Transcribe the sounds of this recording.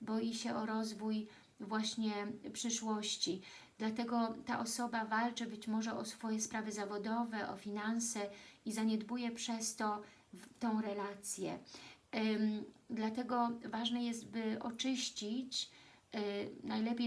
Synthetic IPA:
bɔjiɕɛʔɔɾɔzvuj | vwaɕɲɛpʂɘʂwɔɕt͡ɕi | d̪lat̪ɛɡɔt̪a̰ʔɔsɔbavalt͡ʂɘbɘt͡ɕmɔʐɛʔɔsfɔjɛspɾavɘzavɔd̪ɔvɛʔɔ̰fʲinansɛizaɲɛd̪bujɛpʂɛst̪ɔ | t̪ɔ̃w̃ɾɛlat̪sʲjɛ̰ | d̪lat̪ɛɡɔvaʐnɛjɛst̪bɘʔɔt͡ʂɘɕt͡ɕit͡ɕ | najlɛpʲjej

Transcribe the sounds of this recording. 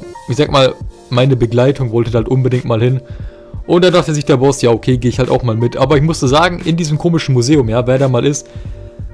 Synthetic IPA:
ʔɪçzaːɡmaːl | maɪnəbəɡlaɪtʰʊŋvɔltədaaltʔʊnbədɪŋ̚tmaːlhɪn | ʔʊnt̚d̥andaχtəzɪçd̥eːɐbɔsjaːokʰeːɡeːɪçhalta̰ʊxmaːlmɪtʔaːbɐɪçmʊstəzaːɡŋ̩ʔɪndiːzəm̩kʰoːmɪʃn̩muzeːʊmjaːveːɐdaːmaːlʔɪst

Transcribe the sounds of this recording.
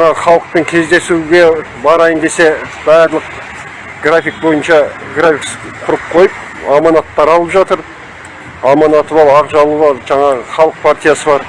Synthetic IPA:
ɴɑʁəχɑlˠəq̚pəŋkʲʰe̞zd̪e̞suɡʲe̞ | bɑɾɑjənd̪e̞se̞bæɾlˠəq | ɡ̥rafʲik̚bo̞jənʃɑ | ɡrafʲiks | q̪ʰʊɾəp̚qʰo̞jəp̚ | ɑmɑnɑt̪ːɑɾɑlˠəpʒɑt̪əɾ | ɑmɑnɑt̪əbɑɾɑʁʒɑlˠəbɑɾʒɑɴɑʁəχɑlˠəq̚pʰaɾt̪ʲijasəbɑɾ

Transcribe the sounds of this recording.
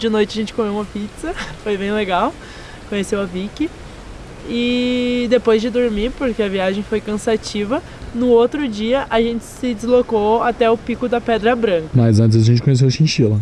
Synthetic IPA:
d͡ʒɪnojt͡ʃɪɐʒẽnt͡ʃɪkomewũmɐpitsɐfojbẽj̃leɡaw | kõɲesewɐvikɪ | ɪd̪epojzd͡ʒɪd̪oɾmiɾpoɾkeɐviaʒẽj̃fojkɐ̃sat͡ʃivɐ | nʊot̪ɾʊd͡ʒiɐʔaʒẽnt͡ʃɪ̥sɪd͡ʒɪzlokoat̪ɛʊpikʊd̪ɐpɛd̪ɾɐbɾɐ̃ŋkɐmazɐ̃nt͡ʃɪzɐʒẽnt͡ʃɪkõɲes̬ewɐʃĩʃilɐ

